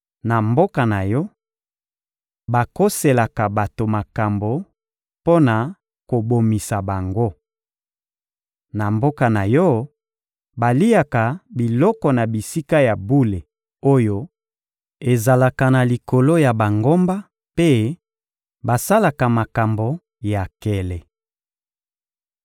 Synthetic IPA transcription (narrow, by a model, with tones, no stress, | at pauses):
na˨mbo˦ka˨na˨jɔ˦ | ba˨ko˦se˨la˨ka˨ba˨to˨ma˨ka˨mbo˨ | po˦na˨ | ko˨bo˨mi˨sa˨ba˨ŋɡo˦ | na˨mbo˦ka˨na˨jɔ˦ | ba˨li˦a˨ka˨bi˨lɔ˦kɔ˨na˨bi˨si˦ka˦ja˨bu˦le˨ | o˦jo˦ | e˨za˨la˨ka˨na˨li˨ko˨lo˦ja˨ba˨ŋɡo˦mba˦ | pe˦ | ba˨sa˦la˨ka˨ma˨ka˨mbo˨ | ja˨kɛ˦lɛ˨